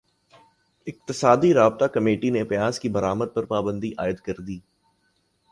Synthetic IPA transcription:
ɪk̚t̪ɪsaːd̪iɾaːbt̪akɐmeːʈinepɪjaːzkibɐɾaːməd̪̚pɐɾpaːbə̃nd̪iʔaːɪd̪kɐɾd̪iː

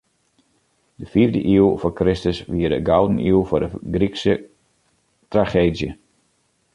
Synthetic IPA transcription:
dəfiəvdəʔiəlˠfɔkrɪstəsʋiərdəɡawdənilˠfʊrdəɡriksə | traχeːdjə

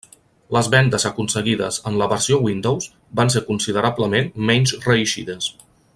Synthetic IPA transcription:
ləzβɛnd̪əzəkunsəɣiðə̰zənləβəɾsiowind̪owz | banseɾkunsiðəɾabləmenmɛɲʲzrəiʃiðəs

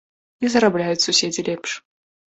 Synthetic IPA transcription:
izɐɾablʲajut͡sʲsusʲed͡zʲilʲɛpʂ

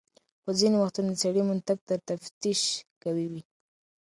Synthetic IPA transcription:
pəzinewaxt̪und̪saɽimʊnt̪aɡ̚t̪əɾt̪aft̪iʃkawiwi

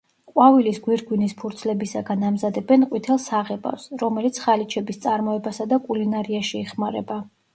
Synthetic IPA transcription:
qʼwavilisɡwiɾɡwinispʰuɾt̪sʰlɛbisaɡanamzad̪ɛbɛnqʼwit̪ʰɛlˠsaʁɛba̰fsɾɔmɛlit̪sʰχalit͡ʃʰɛbist̪sʼaɾmɔɛbasad̪akʼulinaɾiaʃiɛχmaɾɛba

